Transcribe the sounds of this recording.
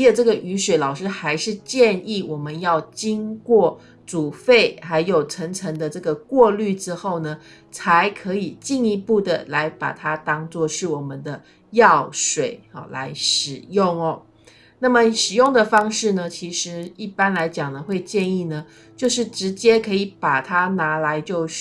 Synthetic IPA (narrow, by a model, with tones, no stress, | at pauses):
ʈ͡ʂɤ˥˩ɡə˩ʔy˧˥ʂwe˨˥ɪlɑ˨˩ʊʂɻ̩˥xa˧˥ɪʂɻ̩˥˧t͡ɕjɛ˥˧ni˥˩wɔ˨˩mə˦njɑ˥˩ʊt͡ɕi˥ŋkwɔ˥˩ | t͡su˨˩fe˥˩ɪxa˧˥ɪjo˨˩ʊʈ͡ʂʰɤ˧˥ŋʈ͡ʂʰɤ˧˥ŋd̪ə˧ʈ͡ʂɤ˥˩ɡə˩kwɔ˥˧ly˥˩ʈ͡ʂɻ̩˥xo˥˩ʊnə˩ | t͡sʰa˧˥ɪkʰɤ˧˥i˨˩t͡ɕi˥˩ni˧˥pu˥˩d̪ə˩la˧˥ɪpa̰˨˩t̪ʰa˥t̪ɑ˥ŋt͡swɔ˥˧ʂɻ̩˥˩wɔ˨˩mə˦nd̪ə˧ | jɑ˥˩ʊʂwe˨˩˦ɪɔ̰˨˩la̰˧˥ɪʂɻ̩˨˩jʊ˥˩ŋɔ˩ | na˥˩mə˨ʂɻ̩˨˩jʊ˥˩ŋd̪ə˨˩fɑ˥ŋʂɻ̩˥˩nə˩t͡ɕʰi˧˥ʂɻ̩˧˥i˥˩pa˥nla˧˥ɪt͡ɕjɑ˨˩ŋd̪ə˦xwe˥˧ɪt͡ɕjɛ˥˧ni˥˩nə˩ | t͡ɕjo˥˧ʊʂɻ̩˥˩ʈ͡ʂɻ̩˧˥t͡ɕjɛ˥kʰɤ˧˥i˨˩pa˨˩t̪ʰa˥na˧˥la˧˦˥ɪt͡ɕjo˥˧ʊ